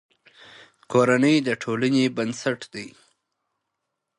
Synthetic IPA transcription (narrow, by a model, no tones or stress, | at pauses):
koɾanəjd̪əʈʰolanebənsaʈd̪əj